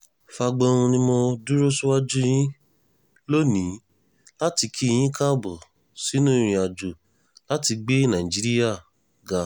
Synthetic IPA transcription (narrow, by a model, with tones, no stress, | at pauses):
fa˧ɡ͡bɔ˧ɾũ˧nĩ˦mo˧du˦ɾo˦su˦wa˦d͡ʒu˦j̃ĩ˦ | lo˦nĩ˨˦ | la˦ti˧kʰi˦˧j̃ĩ˦kʰã˦˨bɔ˨ | si˨˦nũ˦˧ɾ̃ĩ˧a˧˨d͡ʒu˨ | la˦ti˧ɡ͡be˦nã˨ĩ˨d͡ʒi˨˦ɾi˦ja˦˨ | ɡa˧